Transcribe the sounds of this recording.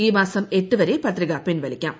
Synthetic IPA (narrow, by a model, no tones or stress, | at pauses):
iːmaːsɐmeʈːɯʋɐɾeːpɐt̪ːɾɪɣaːpːɪnʋɐɭɪkʲːa̰ːm